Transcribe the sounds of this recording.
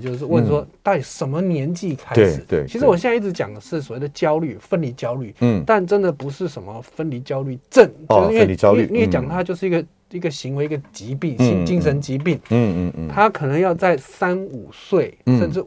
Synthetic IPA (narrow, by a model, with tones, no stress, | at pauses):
t͡ɕjo˥˧ʊʂɻ̩˥˧wə˥˧˩nʂwɔ˥t̪a˥˩t̪i˨˩ʂə˧˩nmə˧njɛ˧˥nt͡ɕi˥˧kʰa˥ʂɻ̩˨˩˦e˥˩t͡ɕʰi˧˥ʂɻ̩˧˥wɔ˨ɕjɛ˥˧na˥˧i˥˩ɻ̩˧˥t͡ɕjɑ̰˨˩ŋd̪ə˦ʂɻ̩˥˩swɔ˨˩we˥˩ɪd̪ə˩˧t͡ɕjɑ˥ʊly˥˩fə˥nli˧˥t͡ɕjɑ˥ʊly˥˩t̪a˥˩nʈ͡ʂə˥nd̪ə˨pu˧˥ʂɻ̩˥˩ʂə˧˨˩nmə˦fə˥nli˧˥t͡ɕjɑ˥ʊly˥˩ʈ͡ʂə˥˩n˥e˥˧˨jni˧˥jɛ˧˥t͡ɕjɑ˨˩ŋt̪ʰa˥t͡ɕjo˥˧ʊʂɻ̩˥˩˧i˥ɡə˨˩ | i˧˥ɡə˨ɕi˧˥ŋwe˧˥ɪi˥ɡə˩t͡ɕi˧˥pi˥˩ŋi˥˧t͡ɕi˥˩ŋʂə˧˥nt͡ɕi˧˥p̬i˥˩ŋ˧t̪ʰa˥kʰɤ˨˩nɤ˧˥ŋjɑ˥˧ʊt͡sa˥˩ɪsa˥nu˨˩swe˥˩ɪʂə˥˧nʈ͡ʂɻ̩˥˩